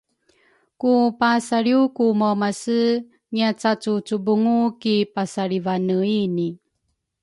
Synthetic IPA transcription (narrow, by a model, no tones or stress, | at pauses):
kupasaɾiukumomasə | ŋiat͡sat͡sut͡subuŋukipasaɾivanəini